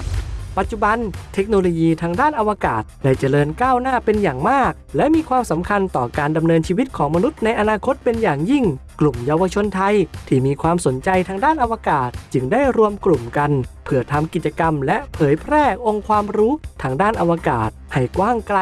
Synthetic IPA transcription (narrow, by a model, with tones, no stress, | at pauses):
pa˨˩t̪̚t͡ɕu˨˩ba˧nt̪ʰe˦˥k̚no˧loː˧jiː˧t̪ʰaː˧ŋdaː˥˩nʔa˧wa˧kaː˨˩t̪̚daː˧˩jt͡ɕa˧˩ɾɤː˧nkaː˥˩wnaː˥˩pe˧njaː˨˩ŋmaː˥˩k̚lɛ˦˥miː˧kʰwaː˧msa˩˦mkʰa˧nt̪ɔː˨˩kaː˧nda˧mnɤː˧nt͡ɕʰiː˧wi˦˥t̪̚kʰɔː˩˦ŋma˧nu˦˥t̪̚na˧jʔa˧naː˧kʰo˦˥t̪̚pe˧njaː˨˩ŋji˥˩ŋklu˨˩mja˧wa˧t͡ɕʰo˧nt̪ʰa˧jt̪ʰiː˥˩miː˧kʰwaː˧mso˩˦nt͡ɕa˧jt̪ʰaː˧ŋdaː˥˩nʔa˧wa˧kaː˨˩t̪̚t͡ɕɯ˧˩ŋdaː˥˩jɾu˧əmklu˨˩mka˧npʰɯ˧˩ɐt̪ʰa˧mki˨˩t͡ɕa˧ka˧mlɛ˦˥ʔpʰɤː˩˦jpʰɾɛː˥˩ʔo˧ŋkʰwaː˧mɾuː˦˥t̪ʰaː˧ŋdaː˥˩nʔa˧wa˧kaː˨˩t̪̚ha˨˩jkwaː˥˩ŋkla˧